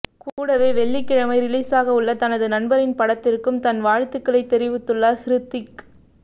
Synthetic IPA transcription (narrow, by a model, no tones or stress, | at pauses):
kuːɽɐʋeːʋɛɭːɪkːɪɻɐmɐɪɾɪliːsaːɣɐʊɭːɐt̪ɐnɐðɯnɐnbɐɾɪnpɐɽɐt̪ːɪɾkːɯmt̪ɐnʋaːɻt̪ːɯkːɐɭɐɪt̪ːɛɾɪʋɯt̪ːɯɭːaːhɪɾɯt̪ːɪk